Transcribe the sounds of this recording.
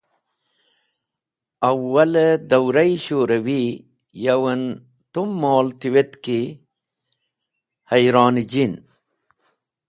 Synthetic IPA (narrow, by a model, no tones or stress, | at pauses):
ɐwːɐld̪ɐwɾɐjiɕoːɾɐwi | jɐwɐn | t̪umːoːlt̪iwet̪ki | hɐjɾɑːnd͡ʑin